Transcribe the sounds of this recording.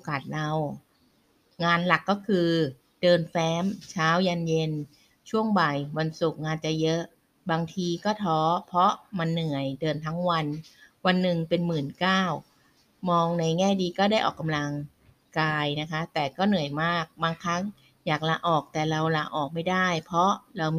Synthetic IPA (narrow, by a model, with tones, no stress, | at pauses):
o˧˩kaː˨˩t̪̚ɾa˧w | ŋaː˧nla˨˩kːɔː˥˩kʰɯː˧ | dɤː˧nfɛː˦˥mt͡ɕʰaː˦˥wja˧nje˧n | t͡ɕʰu˥˩əŋba˨˩jwa˧nsu˨˩k̚ŋaː˧nt͡ɕa˨˩jɤ˦˥ʔ | baː˧ŋt̪ʰiː˧kɔː˥˩t̪ʰɔː˦˥pʰɾɔ˦˥ma˧nːɯ˨˩əjdɤː˧nt̪ʰa˦˥ŋwa˧n | wa˧nːɯ˨˩ŋpe˧nmɯː˨˩nkaː˥˩w | mɔː˧ŋna˧jŋɛː˥˩diː˧kɔː˥˩daː˥˩jʔɔː˨˩kːa˧mla˧ŋ | kaː˧jna˦˥kʰa˦˥t̪ɛː˨˩kɔː˥˩nɯ˨˩əjmaː˥˩k̚baː˧ŋkʰa˦˥ŋ | jaː˨˩k̚laː˧ʔɔː˨˩k̚t̪ɛː˨˩ɾa˧wlaː˧˩ʔɔː˨˩k̚ma˥˩jda˥˩jpʰɔ˦˥ɾa˧wm